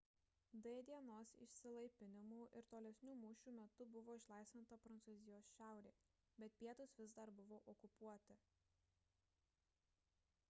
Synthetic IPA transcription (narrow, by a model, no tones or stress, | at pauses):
d̪ʲɛd̪ʲiɛnoːsɪ̰ʃʲsʲɪlˠɐɪpʲɪnʲɪmuːʔɪɾt̪oːlʲɛsʲnʲuːmʊːʃʲuːmʲɛt̪ʊbʊʋoːɪʃlˠɐˑɪsʋʲɪnt̪ɐpɾɐnt̪suːzʲɪjoːsʃʲæˑʊɾʲeː | bʲɛt̪̚pʲiɛt̪ʊsʋʲɪzd̪ɐɾbʊʋoːʔɔkʊpuɔt̪ʲɪ